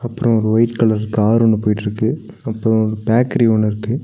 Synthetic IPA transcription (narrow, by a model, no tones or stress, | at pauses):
ɐpːɯɾɔ̃ɔɾɯʋɐɪʈkɐɭɐsɯkːɯaːɾunːɯpoːjɪʈːɪɾɯkːɯ | ɐpːɯɾõɔɾɯbaːkɐɾioɳːɪɾɯkːɯ